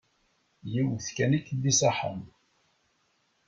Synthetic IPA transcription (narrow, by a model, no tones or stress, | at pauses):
jiwθkænikːd̪isaħə̰m